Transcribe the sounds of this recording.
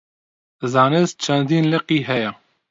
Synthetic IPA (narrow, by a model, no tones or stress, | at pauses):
zɑːnɨzt͡ʃʰɛnd̪iːnlɨqiːɦɛjɛ